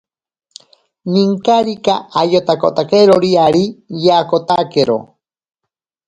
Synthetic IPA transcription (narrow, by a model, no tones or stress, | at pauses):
niŋkaɾikaajot̪ako̰t̪akeɾoɾiaɾijaːkot̪akeɾo̰